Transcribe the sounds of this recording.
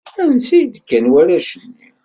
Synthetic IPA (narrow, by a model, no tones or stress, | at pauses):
ænsijd̪kːænwælæʃəni